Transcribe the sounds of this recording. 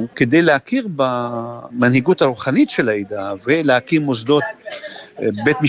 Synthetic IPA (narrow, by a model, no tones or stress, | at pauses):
ked̪ejleakiʁbamanhiɡut̪aɾuχanit̪ʃelaid̪aveleakimozd̪o̞t̪̚ | bet̪mi